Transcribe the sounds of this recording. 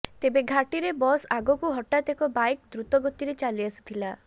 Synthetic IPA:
t̪ebeɡʱaʈiɾebɔsaɡɔkuɦɔʈat̪ekɔbajkd̪ɾut̪ɔɡɔt̪iɾet͡ʃaliasi̥t̪ʰila

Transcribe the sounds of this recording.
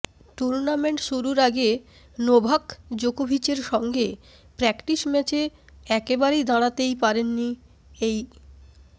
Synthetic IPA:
ʈuɾnameɳʈʃuɾuɾaɡe | nobʱakd͡ʑokobʱit͡ɕeɾʃɔŋɡe | pɾɛkʈiʃmɛt͡ɕeɛkebaɾejd̪aɽ̃at̪ejpaɾenːi | ej

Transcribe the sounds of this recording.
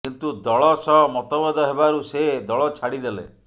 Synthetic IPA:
kint̪ud̪ɔɭɔsɔmɔt̪ɔbɔd̪ɔɦebaɾused̪ɔɭɔt͡ʃʰaɽid̪elḛ

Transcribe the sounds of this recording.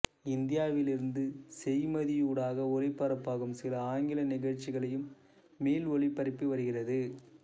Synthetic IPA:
ɪnd̪ɪjaːʋɪlɪɾɯnd̪ɯsɛjmɐðɪjuːɽaːɣɐɔlɪpːɐɾɐpːaːɣɯmsɪlɐaːŋɡɪlɐnɪɣɐɻt͡ʃːɪɣɐɭɐjɯmː | eːlɔɭɪpːɐɾɪpːɯʋɐɾɯɣɪrɐðɯ

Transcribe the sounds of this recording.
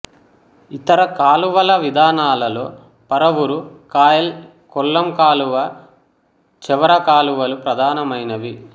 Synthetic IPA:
it̪ɐɾɐkaːluʋɐlɐʋid̪ʱaːnaːlɐlo̞ː | pɐɾɐʋuɾukaːjɐl | kɔlːɐmkaːluʋɐ | t͡ʃɛʋɐɾɐkaːluʋɐlupɾɐd̪ʱaːnɐmɐjnɐʋi

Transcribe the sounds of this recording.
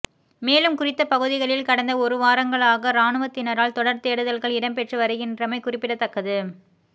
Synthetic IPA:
meːlɯmkʊrɪt̪ːɐpɐɣɯðɪɣɐɭɪlkɐɽɐnd̪ɐɔɾɯʋaːɾɐŋɡɐɭaːɣɐɾaːnɯʋɐt̪ːɪnɐɾaːɭt̪ɔɽɐɾt̪eːɽɯðɐlɣɐɭɪɽɐmpɛʈrɯʋɐɾɯɣɪndrɐmɐɪkʊrɪpːɪɽɐt̪ːɐkːɐðɯ

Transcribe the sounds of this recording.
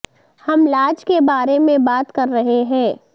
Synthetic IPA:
hɐmlaːd͡ʒkebaːɾemẽbaːt̪kɐɾːɐɦeɦɛ̃ː

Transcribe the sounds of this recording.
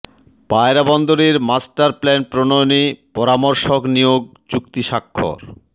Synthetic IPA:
paeɾabɔnd̪oɾeɾmasʈaɾplɛnpɾonojonipɔɾamoɾʃoknijoɡ̚t͡ɕukt̪iʃakʰːo̰ɾ

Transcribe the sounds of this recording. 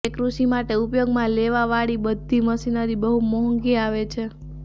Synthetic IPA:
ekɾuʃimaʈeupjoɡmãleʋaʋaɭibəd̪ʱːiməsinaɾibəɦumɔɦəŋɡiaʋet͡ʃʰe

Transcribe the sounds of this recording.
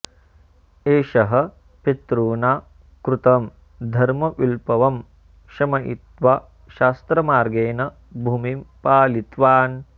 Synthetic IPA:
eːʃɐɦɐ̆ | pit̪ɾuːnaː | kɾut̪ɐm | d̪ʱɐɾmɐʔulpɐʋɐm | kʃɐmɐʔḭt̪ʋa | ʃaːst̪ɾɐmaːɾɡeːnɐ | bʱuːmimpaːlit̪ʋaːn

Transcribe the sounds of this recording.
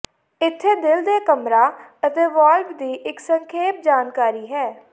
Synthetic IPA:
ɪt̪ʰːeːd̪ɪld̪eːkəmɾaːət̪eːʋaːlpd̪iːʔɪksəŋkʰeːp̚d͡ʒaːnkaːɾiːɦɛː

